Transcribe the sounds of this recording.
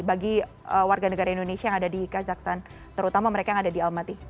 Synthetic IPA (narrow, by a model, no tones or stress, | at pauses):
baɡi | əwarɡanəɡaɾaindonesiajaŋadadikazaksan | t̪əɾut̪amaməɾekajaŋadadialmat̪i